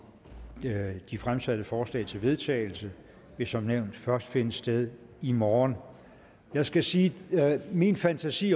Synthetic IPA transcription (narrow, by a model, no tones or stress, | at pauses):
d̥ifʁamsæd̥əfɒːslɛ̰ɪt͡sʰe̝lʋe̝ð̞ˠt͡sʰɛ̰ɪl̩sə | ʋe̝sɒ̽mneʊ̰nd̥fɶɐsd̥fe̝nəsd̥eð̞ˠ | imɒːn | jɑ̈ɪsɡ̥æsiːminfænt͡sʰæsḭː